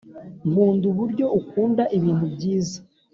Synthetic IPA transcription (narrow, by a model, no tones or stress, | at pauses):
muːnduβuɾɟo̞ukuːndaʔiβiːntubɟiːza